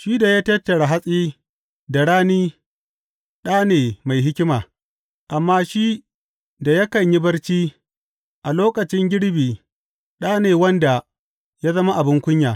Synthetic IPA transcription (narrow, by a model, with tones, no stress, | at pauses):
ʃi˦da˨jaː˦tɐ˦tːɐ˨ɽa˨ɦa˦sʼiː˦ | da˨ɽaː˦niː˦ | ɗaː˦neː˨ma˨jɦɪ˦kʲɪ˦maː˨ | ʔa˨mːaː˦ʃi˦ | da˨jɐ˦kɐ˨ɲji˦bɐ˦ɽt͡ʃiː˦ | ʔa˨loː˦kɐ˨t͡ʃɪ˦ŋɡʲɪ˦ɽbiː˨ | ɗaː˦neː˨wɐ˦nda˨ | jaː˦zɐ˦ma˦ʔa˨bɪ˦ŋkʷʊ˦ɲjaː˨